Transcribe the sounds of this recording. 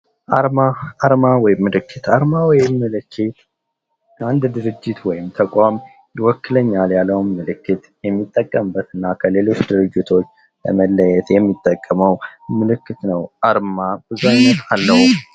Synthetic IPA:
ʔaɾmaaɾmawɔjɪmːɨlɨkʰːɨt̪ʰaɾmawɔjɪmːɨlɨkʰːɨt̪ | ʔand̪d̪ɨɾɨd͡ʒːɪt̪wɔjɪmt̪ʰəkʷʼam | jɪwɔkːɨləɲːaljalːəwnːɨlɨkːɨt̪jɛmːit̪ʼːəkʼːəmɨbːət̪ɨnːakʰəle̞lo̞t͡ʃːd̪ɨɾɨd͡ʒːit̪ʰo̞t͡ʃː | lə̰məlːəjɛt̪jɛmːit̪ʼːəkʼːəməwmɨlɨkːɨt̪nəwʔaɾmabɨzaɲːət̪alːəhum

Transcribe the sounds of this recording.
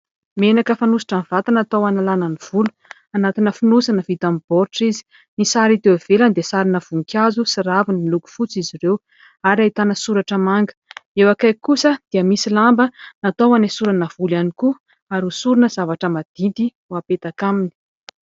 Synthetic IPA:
menakəfanusi̥ʈ͡ʂanv̥at̪anat̪owanalanəniv̥ulu̥ | anat̪inəfunusanəv̥it̪amib̥ɔɾʈ͡ʂizi̥ | nisaɾit̪ewav̥eland̪esaɾinəv̥uŋkʲazusiɾavinimiluku̥fut͡sizirew | aɾait̪anəsuɾaʈ͡ʂəmaŋɡə̥ewakajkusəd̪̥iəmisilambənat̪owanesuɾanəv̥ulaniku | aɾusuɾunəz̥avaʈ͡ʂəmad̪̥ind̪i | uapet̪akamini̥

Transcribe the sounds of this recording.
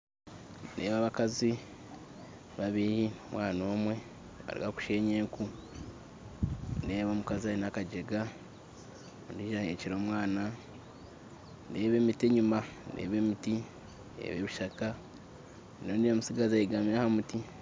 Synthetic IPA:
nḛːβaβakazi | βaβiɾinomwaːno̞ːmwe̞ | βa̰ɾḭɡaku̥ʃe̞ɲeku | ndeːβo̞ːmukazainakaɟeɡa | ondiʒaheciɾo̞ːmwaːna | ndeːβeːmiteɲumandḛβeːmiti | ḛβeβiʃaka | noːndijamusiɡazaiɡamiɾahamuti

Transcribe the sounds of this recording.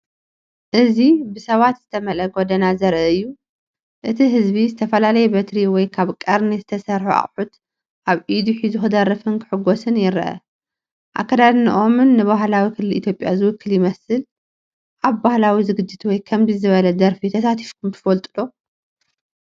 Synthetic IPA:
ʔɨzibɨsɐβat̪z̥ɨt̪ʰɐmɐlɐɡod̪ɐnazɐɾʔɐɨjːu | ʔɨt̪ʰiɦɨzbizɨt̪ʰɐfɐlalɐjɛbɐt̪ɾiwɔjkʰaβkʼɐɾnizɨt̪ʰɐsɐɾħuʔa̰χʼħut̪ | ʔaβid̪uħizɨxɨd̪ɐrːɐfɨnkʰɨ̥ħɨɡosɨnjɪɾʔɐ̰ | ʔa̰kʰːɐd̪ad̪niʔomɨnːɨβaɦlawikʰɨlɨlḭt̪ʰjo̞pʼjazɨwʊkʰːɨljɪmɐsɨl | ʔaβbahlawizɨɡɨd͡ʒːɨt̪wɔjkʰɐmzizɨβɐlɐd̪ɐɾfit̪ʰɐsat̪ʰi̥fkʰumt̪ʰɨ̥fɐlt̪ʼɨlo

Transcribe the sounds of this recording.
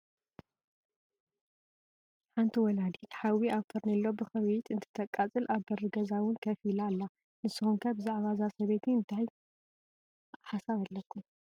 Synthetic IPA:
ħant̪ʰiwɔlad̪it̪ħawiaβfʰɐɾnɐlːobɨxɐβit̪ʰɨnt̪ʰɨ̥t̪ʰɐkʼat͡sʼɨlʔaβbɐrɨɡɐzawʊnkʰɐfilalːa | nɨsːɨxunkʰɐbɨzaʕβazasɐβet̪ʰiɨnt̪ʰaj | ħasaβɐlːɐkːum

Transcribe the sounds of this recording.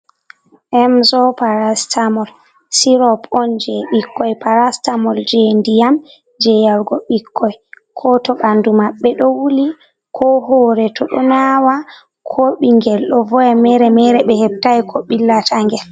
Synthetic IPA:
ʔɛmzɔpaɾastamɔl | siɾɔpɔnd͡ʒɛɓikːɔjpaɾastamɔld͡ʒendijam | d͡ʒɛjaɾɡɔɓikʰːɔj | kʰɔtɔɓandumaɓːɛɗɔwuli | kʰɔɦɔɾɛtʰɔɗɔ̰nawa | kʰoɓiŋɡɛlɗɔvɔjɛmɛɾɛmɛɾɛɓɛhɛb̚tajkʰɔɓilːataŋɡɛl

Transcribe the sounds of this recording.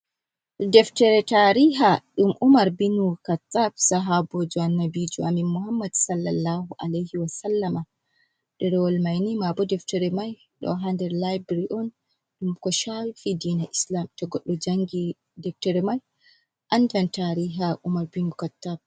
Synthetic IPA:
dɛftɛɾɛtaɾiɦaɗumʔumaɾbinukatːab̚saɦabɔd͡ʒɔanːabid͡ʒɔamimuhamːadsalːalːahuʔalajhiwasalːama | dɛɾɛwɔlmajnimabɔdɛftɛɾɛmaj | ɗɔ̰ɦandɛɾlajbɾiʔɔn | ɗumkɔʃawfidiːnaʔislamtɔɡɔɗːɔd͡ʒaŋɡi | dɛftɛɾɛmaj | ʔandantaɾiɦaʔumaɾbinukatːab̚

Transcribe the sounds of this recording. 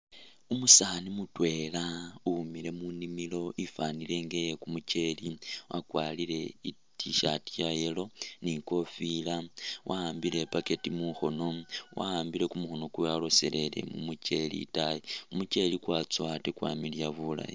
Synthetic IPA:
umusanimutwe̞laumile̞munimilo̞ʔifanile̞ːŋɡe̞jekumut͡ʃe̞liwʔakwalile̞i | tiʃatijaje̞lo̞niko̞filawʔaːmbile̞pake̞timuxo̞no̞wʔa̰aːmbile̞kumuxo̞no̞kujalo̞se̞le̞lḛmṵmuce̞lḭtajiumut͡ʃe̞likwat͡swatekwa̰ːmiljaβula̰ji

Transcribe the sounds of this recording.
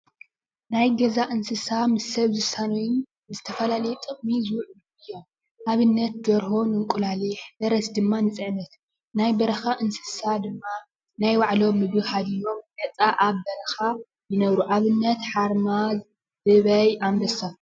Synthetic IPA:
najɡɐzaʔɨnsɨsamɨsɐβzɨsanojɪn | zɨt̪ʰɐfɐlalɐjɛt̪ʼɨχʼmizɨwʕuluʔɨjːo̞m | ʔaβɨnːɐt̪̚d̪ɐɾho̞nɨŋkʼulaliħbɐɾɐsd̪ɨmːanɨt͡sʼɨʕnɐt̪ | najbɐɾɐxaʔɨnsɨ̥sad̪ɨmːa | najwaʕlo̞mːɨβɨhad̪ijo̞mɡɐt͡sʼaʔaβbɐɾɐxa | jɨnɐβɾuʔaβɨnːɐt̪ħaɾmaz | ɨβɐjʔambɐsa

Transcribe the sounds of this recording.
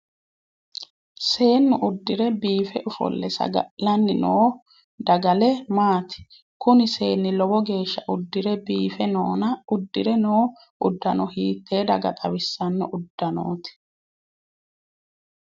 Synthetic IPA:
se̞ːnːʊʔʊd̪ːɪɾɛbiːfɛʔʊfɔ̰lːɛsɐ̰ɡɐ̰ʔlɐnːɪnoː | d̪ɐɡɐlɛmaːt̪ɪ̥ | kʊnɪse̞ːnːɪlɔbɔɡe̞ːʃːɐʔʊd̪ːɪɾɛbiːfɛnoːnɐʊd̪ːɪɾɛnoː | ʔʊd̪ːɐnɔhiːt̪ːe̞ːd̪ɐ̰ɡɐ̰t̪ʼɐwɪsːɐnːɔʔʊd̪ːɐno̰ːt̪ɪ̥

